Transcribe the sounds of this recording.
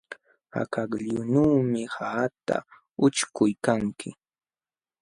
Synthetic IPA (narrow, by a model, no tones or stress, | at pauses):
a̰kakʎʊnuːmɪhaːt̪a̰ | ʊt͡ʃkʊjkaŋkʰɪ